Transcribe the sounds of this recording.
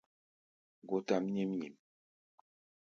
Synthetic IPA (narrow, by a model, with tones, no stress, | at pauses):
ɡo˨ta˨m˦ɲi˦m˦ɲi˨m